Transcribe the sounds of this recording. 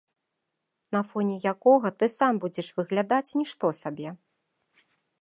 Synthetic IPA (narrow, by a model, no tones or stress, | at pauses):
nɐfɔnʲijakɔɣɐt̪ɨsambud͡zʲɛʂvɨɣlʲad̪at͡sʲnʲiʂt̪ɔsabʲɛ